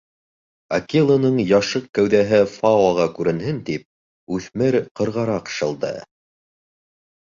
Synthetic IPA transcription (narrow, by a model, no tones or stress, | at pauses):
ɐ̰kʲilˠonɤɴjɑʃɤq̚kæwðæɦɘfɑwɑʁɑkʉɾɘ̆nhɘnt̪ip̚ | ʉθmɘɾqɤ̆ɾʁɑɾɑqʃɤ̆lˠd̪ɤ̰